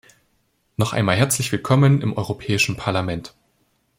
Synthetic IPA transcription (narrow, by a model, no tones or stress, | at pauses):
nɔχʔa̰ɪnmaːlɦɛɐt͡slɪçv̥ɪlkʰɔmənɪmʔɔʏʁopʰɛːɪʃn̩pʰaɐlamɛnt